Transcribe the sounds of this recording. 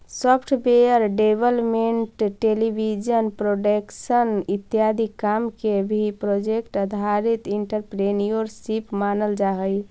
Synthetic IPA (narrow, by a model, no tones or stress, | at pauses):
səpʰʈʰbeəɾɖebəlmeɳʈʈelibʱid͡ʒənpɾoɖekʃənit̪ːjad̪ʱikamkebʱipɾod͡ʒekʈəd̪ʱaɾit̪iɳʈəɾpɾenijoɾsipmanəld͡ʒaɦəj